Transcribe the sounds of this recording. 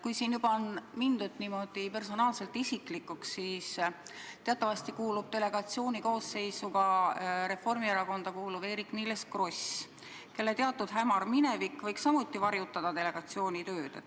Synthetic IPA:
kujsiːnjubɑonmind̪̥ut̪ːnimo̞d̪̥ipe̞rso̞nɑːlse̞lt̪isiklikːuksːiːst̪e̞ɑt̪ːˑɑvɑst̪ikuːlub̥̚t̪e̞le̞ɡ̥ɑt̪sio̞ːniko̞ːsːe̞jsuɡɑɾe̞fo̞rmieɾɑko̞nd̪̥ɑkuːlube̞ːɾiknileskro̞s | ke̞lːe̞t̪eɑt̪ːˑud̪ɦæmɑrmine̞vikːvɤ̞jksɑmut̪ːˑivɑɾjut̪ːˑɑd̪̥ɑt̪e̞le̞ɡ̥ɑt̪sio̞ːnʲit̪ø̞ːd̪̥

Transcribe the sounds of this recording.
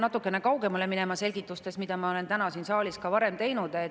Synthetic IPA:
nɑt̪ːˑukːˑe̞nekɑwɡe̞mɑleminemɑse̞lʲɡ̥it̪ːˑust̪e̞smid̪̥ɑmɑo̞le̞nt̪ænɑsinsɑːlʲiskɑvɑɾe̞mt̪e̞jnud̪e

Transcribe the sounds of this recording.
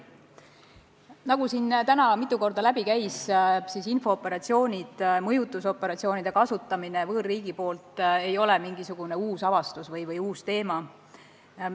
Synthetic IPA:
nɑɡ̥usiːnt̪ænɑmit̪ˑːuko̞rd̪̥ɑlæbikæjssiːsinfo̞ːpːe̞ɾɑt̪sio̞ːnʲid̪̥mɤjut̪ːˑuso̞pːˑe̞ɾɑt̪sio̞ːnʲid̪̥e̞kɑsut̪ːˑɑminevɤːrːiːɡ̥ipo̞ːlt̪e̞jo̞lɛmiŋɡ̥isuɡ̥une̞uːsɑvɑst̪usvɤjvɤjuːst̪e̞ːmɑ

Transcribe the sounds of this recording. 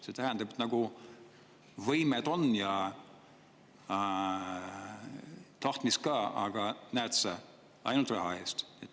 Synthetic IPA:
se̞t̪æɦænd̪ɑb̥et̪nɑɡ̥u | vɤjmed̪o̞njɑ | t̪ɑht̪miskɑːɑ̰ɡ̥ɑnæːt̪sɑ | ɑ̰jnult̪rɑɦɑe̞ːst̪et̪ː

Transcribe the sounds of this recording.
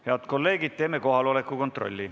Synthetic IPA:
heɑd̪ko̞lːe̞ːɡ̥id̪̥̚t̪e̞ːme̞ko̞ɦɑlo̞le̞kːˑuko̞nt̪ro̞̰lʲːi

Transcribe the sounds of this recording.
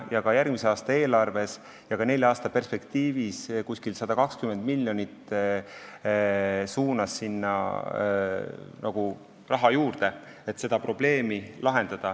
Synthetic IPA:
jɑɡ̥ɑjærɡ̥miseɑːst̪ɑe̞ːlɑrve̞s | jɑkɑne̞lʲjɑɑːst̪ɑpe̞rspe̞kt̪iːviskusʲkilsɑd̪̥ɑkɑkskymend̪milʲːjo̞nit̪ː | suːnɑsːinːɑ̰ | nɑɡ̥u | rɑɦɑjuːrd̪̥e̞ | et̪se̞d̪̥ɑpɾo̞b̥le̞ːmilɑɦe̞nd̪̥ɑd̪̥ɑ

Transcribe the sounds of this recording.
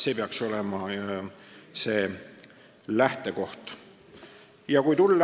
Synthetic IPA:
se̞ːpeɑkso̞lemɑ | se̞ː | læht̪e̞ko̞ht̪ | jɑkujt̪ulː

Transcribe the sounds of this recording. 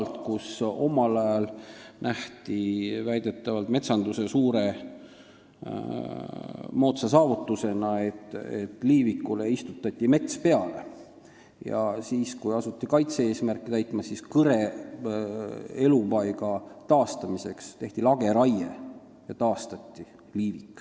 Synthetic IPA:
lt̪kuso̞mɑlɑjɑlnʔæht̪ivæjd̪̥e̞t̪ːˑɑvɑlt̪me̞t̪sɑnd̪̥use̞suːɾe̞ | mo̞ːt̪sɑs̬ɑːvut̪ːˑuse̞nɑe̞t̪ːˑḛt̪ːˑliːvikːuleist̪ut̪ːˑɑt̪ʲːime̞t̪spe̞ɑle̞̰ | jɑ̰siːskujɑsut̪ʲːikɑjt̪seeːsmærkːˑit̪æjt̪ˑmɑsiskɤɾe̞ | e̞lupɑjɡ̥ɑt̪ɑːst̪ɑmise̞kst̪e̞ht̪ilɑɡ̥e̞ɾɑjḛ | jɑt̪ɑːst̪ɑt̪ʲːˑi | liːvikːˑ

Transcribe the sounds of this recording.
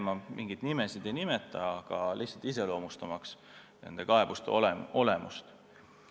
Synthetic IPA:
mɑmʔiŋɡ̥id̪̥nime̞sid̪̥e̞jnime̞t̪ːˑɑɑɡ̥ɑlʔihsɑlt̪ise̞lo̞ːmust̪ɑmɑks | nend̪̥e̞kɑe̞b̥ust̪ḛo̞lemṵst̪

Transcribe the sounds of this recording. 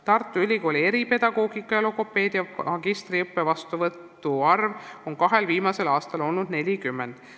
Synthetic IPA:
t̪ɑrt̪ˑːuylʲiko̞ːlʲie̞ɾipe̞d̪̥ɑɡ̥o̞ːɡikːˑɑjɑluko̞pːe̞ːd̪̥iɑɑɡist̪riɤpːe̞vɑst̪uvɤt̪ːˑuɑrvo̞ŋkɑɦe̞lviːmɑse̞lɑːst̪ɑlo̞lnud̪ne̞lʲikymːend̪̥

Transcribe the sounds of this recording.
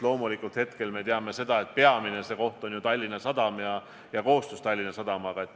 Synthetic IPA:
lo̞ːmulikˑult̪het̪ke̞lme̞t̪eɑme̞se̞d̪̥ɑe̞t̪̚pe̞ɑminese̞ko̞ht̪o̞njut̪ɑlʲːinɑsɑd̪̥ɑmjɑ | jɑko̞ːst̪ust̪ɑlʲːinɑsɑd̪̥ɑmɑɡ̥ɑe̞t̪ː

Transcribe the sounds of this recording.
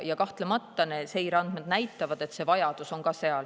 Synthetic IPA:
jɑkɑht̪lemɑt̪ːɑnese̞jɾɑnd̪̥med̪̥næjt̪ːˑɑvɑd̪̥e̞t̪ːse̞vɑjɑd̪̥uso̞nkɑse̞ɑl

